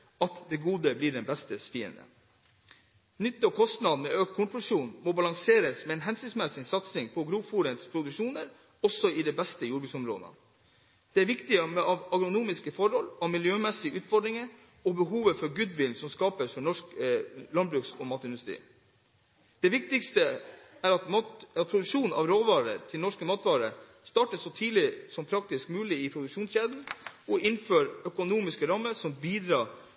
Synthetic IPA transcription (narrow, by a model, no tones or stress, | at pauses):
ɑt̪d̪ɛɡuːd̪əbliːɖɛnbɛst̪əsfiːə̰nd̪ə̰ | nʏt̪ːəɔkʰɔst̪nɑd̪mɛːʔøːk̚t̪̚kʰʊnpʉʂuːnmoːbɑlɑŋseːɾəsmɛːeːnɦɛnsʏnsmɛsɪsɑt̪snɪŋpʰɔɡɾuːfuːɾət̪spʰɾʊd̪ʉʃuːnəɾ | ɔsɔɪd̪ɛbɛst̪əjuːɾbʉsɔmɾo̰ːd̪ə̰ | d̪̥ɛæːɾʋɪkt̪ɪəmɛɑʋɑɡɾʊnuːmɪskəfɔɾhɔlɑʋmɪljøːmɛsɪʔʉːt̪fɔɖɾɪŋə | ɔbəɦuːʋəfɔɾɡʉd̪ʋɪlnsɔmskɑːpəsfɔɳɔʂklɑnbɾʉksɔmɑːt̪əɪnd̪ʉst̪ɾḭː | d̪̥ɛʋɪk̚t̪ɪkst̪əæɾɑt̪mɑɑt̪̚pʰɾʊd̪ʉʂuːnʔɑ̰ʋɾoːʋɑːɾə̰t̪ʰɪlnɔʂkəmɑːt̪ʋɑːɾə̰ | st̪ɑːʈəsɔt̪ʰiːlɪsɔmpʰɾɑk̚t̪ɪskmʉːlɪɪpʰɾʊd̪ʉkʂuːnsɕeːd̪n̩ʔɔʔɪnføːɾœkʊnuːmɪskəɾɑmːəɾsɔmbiːd̪ɾɑː